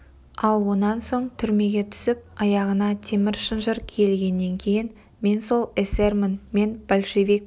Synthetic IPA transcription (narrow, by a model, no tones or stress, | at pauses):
ɑlˠwo̞nɑnso̞ɴt̪ʰʏɾme̞ɡʲe̞t̪ʰʏ̥sɪp̚ɑjɑʁənɑt̪ʰe̞mɪɾʃənʒəɾkʲʰe̞lɡʲe̞nːe̞ŋkʲʰe̞jɪn | me̞nso̞lˠesermənme̞nb̥olʲʃevik